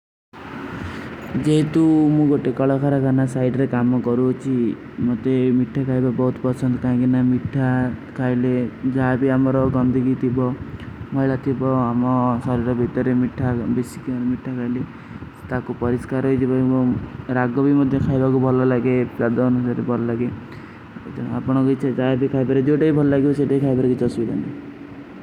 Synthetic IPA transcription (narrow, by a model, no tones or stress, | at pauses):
d͡ʒeɦit̪umũɡoʈekɔɭɔkʰaɾakanasajɖɾekamɔkɔɾuɦɔt͡ʃʰi | mot̪emiʈʰːakʰajbabɔɦut̪ɔpɔsɔnd̪ɔkaãkinamiʈʰːakʰailed͡ʒaabiamɔɾɔɡɔnd̪ʱiɡit̪ʰibɔmɔɦiɭat̪ʰibɔamɔsɔɾiɾɔbʱit̪ɔɾemiʈʰːabesi̥kiaɾmiʈʰːakʰajle | t̪akupɔɾiskaɾɦɔit̪ʰibɔibɔɾaɡɔbimɔd̪ʱjɔkʰajbakubʱɔlɔlaɡepɾad̪ɔːnusaɾebʱɔlɔlaɡe | d͡ʒɔ̃a̰pɔɽ̃ɔkɔt͡ʃʰɛd͡ʒaebikʰajbaɾed͡ʒewʈaibʱɔlɔlaɡibɔseʈaikʰajbaɾkit͡ʃɔsbid̪a̰nk̪i